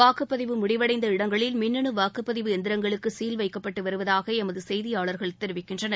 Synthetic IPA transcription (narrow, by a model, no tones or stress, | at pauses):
aːkɯpːɐðɪʋɯmʊɽɪʋɐɽɐɪnd̪ɐɪɽɐŋɡɐɭɪlmɪnːɐnɯʋaːkɯpːɐðɪʋɯɛnd̪ɪɾɐŋɡɐɭɯkːɯsiːlʋɐɪkːɐpːɐʈːɯʋɐɾɯʋɐðaːɣɐɛmɐðɯsɛjðɪjaːɭɐɾɣɐɭt̪ːɛɾɯʋɪkːɪndrɐnɐ